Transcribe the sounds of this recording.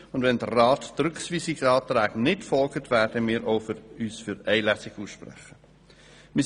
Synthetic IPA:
ʊndʋɛnd̥̪ərːɑːtd̥ɾʏksʋiːsɪksɑːt̪ɾæːɡnɪtfɔlɡətʰʋæɾd̥əmiːɾʔoʊfyːsfʏɾɛɪlɛsɪɡuːsʃpɾɛ̰χə | mɪ

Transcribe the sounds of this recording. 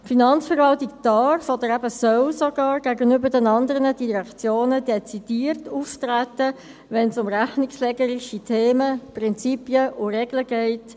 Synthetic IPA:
finɑnt͡sfəɾʋɑltikd̥ɑɾrfɔd̪əɾæbəsœwsɔɡɑːɾɡ̥æɡənʏbədɛnɑnd̪əʁənəd̥iɾɛkt͡sjoːnəd̥ɛt͡sid̥iːɾtuːftɾætə | ʋɛnsʊmɾæχnɪkslɛɡəɾiʃitʰeːməprɪnt͡sipjəʔʊrɛɡləɡɛɪt

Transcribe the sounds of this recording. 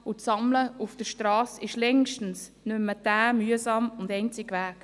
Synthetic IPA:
ʊsɑmləufd̥əʃtrɑːsɪʃlɛŋʃtn̩s | nymːəd̥æːmyːəsɑmʊndɛɪnt͡sɪɡvæːk

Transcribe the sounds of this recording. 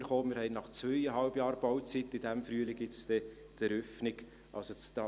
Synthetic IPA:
əɾχoːmɪɾhɛɪnɑχt͡svœjəɦɑlbjɑːɾb̥ɔwt͡sitːɪdæmfɾyəlɪɡɪt͡st̪ɛ | d̥ɛɾœfnɪɡ | ʔɑ̰lsot͡st̪ɑ

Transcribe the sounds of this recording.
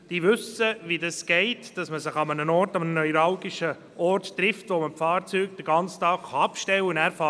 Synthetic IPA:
d̥iːʋʏsəʋidɑsɡ̥ɛɪtd̥ɑsməsɪχɑmənənɔrtɑmənənœiɾɑwɡiʃə | ʔɔɾttɾɪftʋoməmfɑːɾt͡syːkd̥əɾɡ̥ɑnt͡stɑːkχɑɑpʃtɛwənæːɾfɑ

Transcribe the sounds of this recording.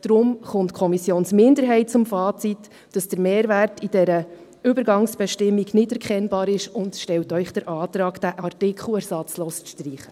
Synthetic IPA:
d̥ɾʊmχʊntkʰɔmisjoːnsmɪndəɾɦɛɪt̚t͡sʊmfɑːt͡sit | d̥ɑsd̥əɾmeːɾʋæːrtid̥ɛɾə | ʏbəɾɡɑŋsb̥ɛʃtɪmːiɡnɪtɛɾkʰɛnbɑːɾɪʃʊntʃtɛltœʏχd̥əɾʔɑːtɾɑːɡd̥æʔɑrtɪkχl̩ɛɾsɑt͡sloːsʃtriːχə

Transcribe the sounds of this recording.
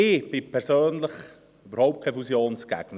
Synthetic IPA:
ɪːb̥ɪpʰɛɾsøːnləχ | ybəɾhoʊp̚t̚kʰɛjfusjoːnsɡ̥æ̰ɡ̥nə

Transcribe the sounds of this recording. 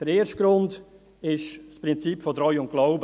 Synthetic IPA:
d̥əɾeːɾʃt̚ɡ̥ɾʊnd | ɪʃspɾɪnt͡sipfɔdɾɔjʊnt̚ɡ̥lɔʊbə

